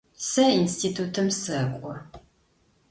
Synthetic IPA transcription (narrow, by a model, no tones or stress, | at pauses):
sɐinstiːtʰutʰɨmsɐkʷʼɔ